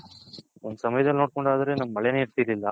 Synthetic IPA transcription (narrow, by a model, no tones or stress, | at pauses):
ond̪usɐmɐjɐd̪ɐlno̞ːɽ̚koɳɖaːd̪ɐɾe̞ːnɐmɐːɐɭɐjɐneiɾt̪iːɾlilːɐ